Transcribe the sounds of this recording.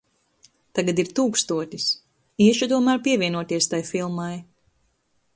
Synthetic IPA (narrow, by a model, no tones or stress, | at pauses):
t̪aɡad̪iɾt̪uːkst̪uɔt̪ʲis | iɛʃut̪uɔmæːɾpiɛvʲiɛnuɔt̪iɛst̪ajfilˠmaj